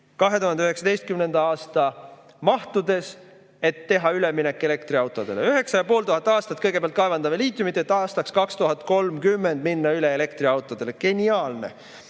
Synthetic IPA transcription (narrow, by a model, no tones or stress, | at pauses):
kɑɦe̞t̪uɦhɑnd̪eøɦe̞ksɑd̪e̞jst̪̚kymne̞nd̪ɑɑːst̪ɑ | mɑht̪ud̪̥e̞s | e̞t̪ːe̞ɦɑyleminekːˑe̞le̞kt̪riɑwt̪ːˑo̞d̪̥e̞̰leyɦe̞ksɑjɑpo̞ːlt̪uɦɑt̪ːˑɑːst̪ɑt̪̚ːˑkɤjɡepeæɑlt̪kɑevɑnd̪̥ɑmeliːt̪ˑjumit̪ːˑet̪ːˑɑːst̪ɑkskɑkst̪uɦɑt̪ko̞lmkymːend̪minːɑyle̞ele̞kt̪riɑwt̪ːˑo̞d̪̥e̞leke̞nʲiɑːlne̞̰